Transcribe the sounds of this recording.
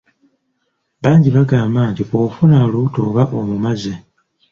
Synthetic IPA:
βaːɲɟiβaɡaːmbaːntiofunaluutoːβaʔomumaze

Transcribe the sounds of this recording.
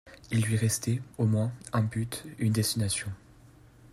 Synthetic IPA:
ilːɥiʁɛst̪ɛomwɛ̃ɛ̃byt̪ynd̪ɛst̪inasjɔ̃

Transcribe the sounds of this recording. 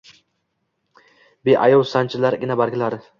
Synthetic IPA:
beʔajɒwsant͡ʃʰɪlaɾɡʲɪnabaɾɡʲɪlaɾɪ

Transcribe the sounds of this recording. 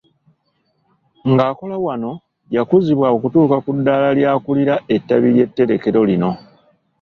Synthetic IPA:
ŋɡaːko̞lawano̞ | jakuziβwaokutuːkakudːaːlaljaːkuliɾae̞tːaβilje̞tːe̞ɾe̞ke̞ɾo̞lino̞

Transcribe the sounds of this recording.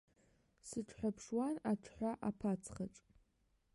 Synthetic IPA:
sɨʈ͡ʂʰʼħʷapʰʂwanaʈ͡ʂʰħʷaʔapʰat͡sʰχaʈ͡ʂʼ

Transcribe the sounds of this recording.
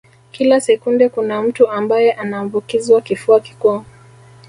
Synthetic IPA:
kilasɛkundɛkunam̩tuambajɛʔanaːmbukiziwakifuaki̥kua

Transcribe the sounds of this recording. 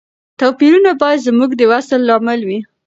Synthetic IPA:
t̪apiɾunabɑjad̪zmuɡd̪əwasəlːɑmɪlwi

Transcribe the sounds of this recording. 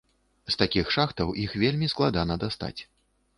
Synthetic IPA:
st̪akʲixʂaxt̪ɐwixvʲelʲmʲisklˠad̪anɐd̪ast̪a̰t͡sʲ

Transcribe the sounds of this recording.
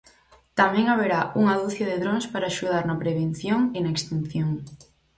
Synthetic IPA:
t̪amẽŋaβ̞eɾaʔuŋaðuθjaðɪðɾoŋspaɾaːʃuð̞aɾnɐpɾeβ̞en̟θjoŋɪnaekst̪in̟θjoŋ

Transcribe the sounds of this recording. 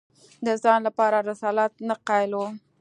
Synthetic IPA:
d̪əzɑnlapɑɾaɾɪsɑlat̪̚naqɑlo

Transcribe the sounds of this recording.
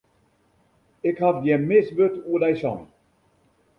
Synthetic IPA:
ɪkhafdjɛmɪsʋøtuədɛjsɔ̰n

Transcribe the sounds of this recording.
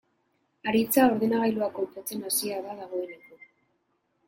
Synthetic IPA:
aɾit͡sao̞ɾðe̞naɣajluako̞mpot͡se̞nasiaβaðaɣ̞o̞e̞neko

